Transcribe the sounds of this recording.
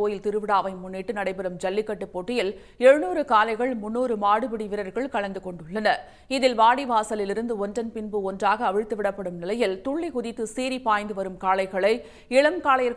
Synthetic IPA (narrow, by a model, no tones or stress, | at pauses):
oːjɪlt̪ɪɾɯʋɪɽaːʋɐɪmʊnːɪʈːɯnɐɽɐɪpɐɾɯmd͡ʒɐlːɪkːɐʈːɯpːoʈːɪjɪl | ɛɻɯnuːɾɯkaːlɐɪɣɐɭmʊnːuːɾɯmaːɽɯbɪɽiʋɪɾɐɾɣɐɭkɐɭɐnd̪ɯkɔɳɖɯɭːɐnɐ | ɪðɪlʋaːɽiʋaːsɐlɪlɪɾɯnd̪ɯɔndrɐnpɪnbɯɔndraːɣɐːʋɪɻt̪ːɯʋɪɽɐpːɐɽɯmnɪlɐjɪlt̪ʊɭːikʊðɪt̪ːɯseːɾipːaːjnd̪ɯʋɐɾɯmkaːlɐɪɣɐɭɐɪ | ɪɭɐmkaːlɐjɐɾ